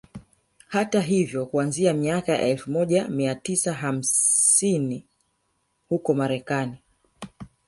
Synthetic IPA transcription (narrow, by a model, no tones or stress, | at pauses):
hataɦivjɔkuanziamiakaja̰ʔɛlfumɔʄamiatisaɦam̩ini | hukɔmaɾɛkani